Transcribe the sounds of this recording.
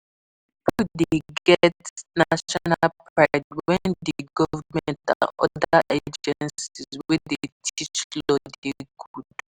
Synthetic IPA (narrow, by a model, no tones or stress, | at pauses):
pudeɡɛtnaʃɔnalpɹatwɛ̃ndiɡɔvmɛ̃ntã̰nɔ̰daʔed͡ʒɛnsizwietʰit͡ʃlɔdeɡud̚